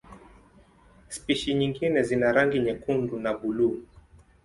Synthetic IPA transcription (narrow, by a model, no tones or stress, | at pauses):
spiʃiɲiŋɡinɛzinaɾaŋɡiɲɛkundunaɓuluː